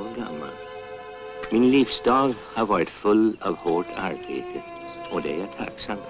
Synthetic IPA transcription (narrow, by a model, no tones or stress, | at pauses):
ɡa̰ma̰l | minlifsd̥̪ɑːlhɑʋɑːɹɪt̪fɵlɑʋhɔʈʰa̰ɹbeːt̪ʰə | ɔd̪ɛjæt̪ʰa̰ksam